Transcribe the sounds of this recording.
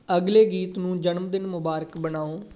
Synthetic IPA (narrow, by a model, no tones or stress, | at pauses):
əɡleːɡiːt̪nũːd͡ʒənmd̪ɪnmʊbaːɾəkbənaːoː